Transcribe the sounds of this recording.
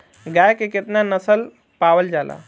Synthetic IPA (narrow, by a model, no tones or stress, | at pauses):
ɡajkeket̪nanəsəl | pawəld͡ʒala̰